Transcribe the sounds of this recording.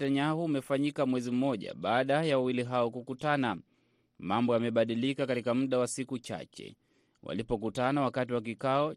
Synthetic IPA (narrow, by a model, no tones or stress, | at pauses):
taɲahuːmɛfaɲikamwɛzim̩mɔʄa̰ɓaːɗajawawiliɦaɔkukutana | mambɔjamɛɓaɗilikakatikam̩ɗawasikut͡ʃa̰t͡ʃɛ̰ | wʔa̰lipɔkutanawakatiwak̬ikaɔ